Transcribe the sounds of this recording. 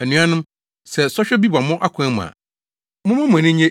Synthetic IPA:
æ˨nũ˨˦ã˦nʊ̃˦m | sɛ˨sɔ˦ɕᶣɛ˦bi˦ba˨mʊ̃˦ʔa˦kʰʊ̃˨˦ɛ˦mʊ̰̃˨a̰˨ | mʊ̃˦mã˦mʊ̃˨nɪ̃˦ɲẽ˦

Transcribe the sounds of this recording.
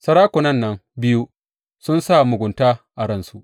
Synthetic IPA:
sɐ˦ɾaː˦kʷʊ˨nɐ˦nːɐ˦ŋbɪ˦ju˦ | sʊ˦nsa˦˨mʊ˨ɡʷʊ˨ntaː˦ʔa˨ɾɐ˦nsu˦ʔ

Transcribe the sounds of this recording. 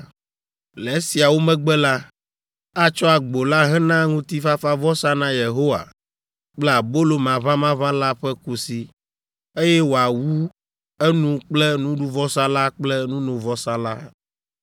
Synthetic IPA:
le˨˦si˨a˨wo˦mɛ̃˦ɡ͡bɛ˦la˦ | a˦t͡ʃɔ˦a˨ɡ͡bo˨la˦ɦɛ˦nã˦ŋũ˦t̪i˦fa˦fa˦vɔ˦sa˦nã˦je˨ɦo˦wa̰˨ | k͡plɛ˦a˨bo˦lo˨mã˨vã˦mã˦vã˦la˦ɸɛ˦ku˦si˦ | e˦jɛ˦wo˨a˨wu˦ | ɛ˦nũ˦k͡plɛ˦nũ˦ɖu˦vɔ˦sa˦la˦k͡plɛ˦nũ˦nũ˨vɔ˦sa˦la˦

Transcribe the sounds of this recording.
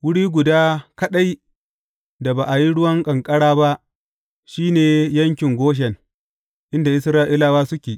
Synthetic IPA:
wʊ˦ɽiː˦ɡʷʊ˨daː˦kɐ˦ɗa˦j | da˨baː˨ʔa˨ji˦ɽʊ˦wɐ˦ŋkʼɐ˨ŋkʼɐ˦ɽaː˦ba˦ʔ | ʃiː˦neː˨jɐ˦ŋkʲɪ˨ŋɡʷoː˦ʃ̬ɛ˨n | ʔɪ˦nda˨ʔɪ˦sɾaː˦ʔɪ˦laː˦waː˦sʊ˦kʲeː˨

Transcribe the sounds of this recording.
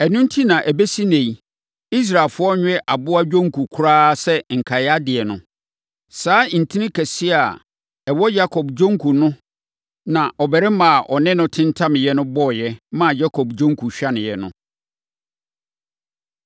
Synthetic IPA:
ɛ˨nʊ̃˦n˦tʰi˦nã˨ʔæ˨be˦si˦nɛ̃˨i˨ | i˦s̬ɾa˨e˨lfʊ˦ɔ˦ɲᶣ˦ɛ˦ʔa˨bʊ˦a˦d͡ʑᶣõ˦ŋ˦kʰu˨kʰʊ˦ɾaː˦sɛ˦ŋ̩˨kʰa˨ja˦dɪ˨ɛ˨nʊ̰̃˨˦ | saː˨˦˨n̩˨tʰi˦nɪ̃˦kʰɛ˨sɪ˦a˨ | ɛ˨wɔ˦ja˦kʰɔ˨bd͡ʑᶣõ˦ŋ˦kʰu˨nʊ̃˦ | nã˨ʔɔ˨bɛ˨ɾɛ˦mã˨a˨ʔɔ˨nɪ̃˦nʊ̃˦tʰɪ̃˦n˦tʰã˦m̃˨jɛ˦nʊ̃˦bɔ˦˨jɛ˦mã˦˨ja˦kʰɔ˨bd͡ʑᶣɔ̃˦ŋ˦kʰu˨ɕᶣa˦nɪ̃˨jɛ˨nʊ̰̃˦

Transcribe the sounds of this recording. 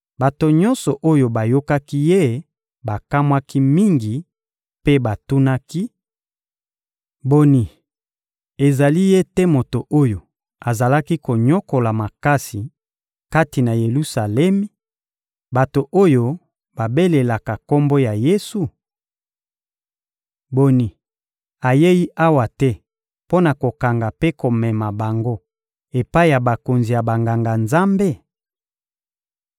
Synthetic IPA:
ba˨to˨ɲɔ̃˦nsɔ˨ʔo˦jo˨ba˨jo˦ka˦ki˦je˦ | ba˨ka˦mwa˦ki˦mi˦ŋɡi˨ | pe˦ba˨tu˦na˦ki˦ | bo˨ni˨ | e˨za˨li˦je˦te˦mo˨to˨ʔo˦jo˨ | a˨za˨la˦ki˦ko˨ɲɔ˦ko˨la˨ma˨ka˦si˨ | ka˦ti˨na˨je˨lu˦sa˨lɛ˦mi˦ | ba˨to˨ʔo˦jo˦ | ba˨be˦le˨la˨ka˨ko˦mbo˦ja˨je˦su˨ | bo˨ni˨ | a˨je˦ji˦ʔa˦wa˨tɛ˦ | po˦na˨ko˨ka˨ŋɡa˨pe˦ko˨mɛ˨ma˨ba˨ŋɡo˦ | e˨pa˦i˦˨ja˨ba˨ko˨nzi˨ja˨ba˨ŋɡa˨ŋɡa˨nza˦mbe˦˨

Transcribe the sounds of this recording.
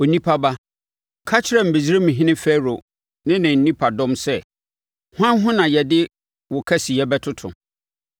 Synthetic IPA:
o˨nĩ˦pʰa˦ba˦ | kʰa˦t͡ɕʰɪ˦ɾɛ˨m̩˨be˨d͡ʑɪ˦ɾe˦mĩ˨ɦɪ̃˦nɪ̃˦fɛ˦ɾo˨ | nɪ̃˦nɪ̃˨n̩˨˦nĩ˦pʰa˨dɔ̃˦msɛ˦ | hʷã˦nɦʊ̃˦nã˨jɛ˨dɪ˦ | wʊ˨kʰɛ˦si˨ɛ˦bɛ˦tʰʊ˦tʰʊ̰̃˨

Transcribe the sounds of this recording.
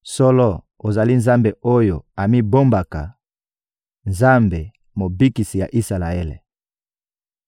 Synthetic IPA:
sɔ˦lɔ˦ | o˨za˨li˦nza˦mbe˨ʔo˦jo˨a˨mi˦bo˦mba˨ka˨ | nza˦mbe˨ | mo˨bi˦ki˨si˨ja̰˨ʔi˦sa˨la˨e˦lḛ˨

